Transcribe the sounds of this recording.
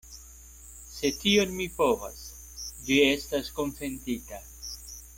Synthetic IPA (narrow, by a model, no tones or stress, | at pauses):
se̞tio̞nmipo̞va̰s | vie̞stasko̞nfe̞ntita